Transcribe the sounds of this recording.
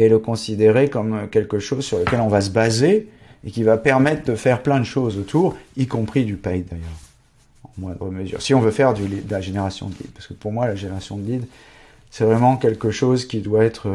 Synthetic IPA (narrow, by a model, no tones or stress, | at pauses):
eləkɔ̃sid̪eʁekɔmkʲɛlkəʃozsyʁləkʲɛlɔ̃vas̬əbaze | ekʲivapɛʁmɛt̪χd̪əfɛʁplɛ̃d̪əʃozot̪ʰuːʁikɔ̃pχid̪ypajd̪ajœːʁ | ɑ̃mwɛ̃d̪ʁəməzy̰ːʁsiɔ̃vøfɛʁd̪ylid̪əlaʒeneʁasjɔ̰̃d̪əlḭd̪paʁsə̥kə̥puʁmwalaʒeneʁasjɔ̃d̪əlid̪ | sɛvʁɛmɑ̃kʲɛlkəʃozkʲid̪waɛt̪χə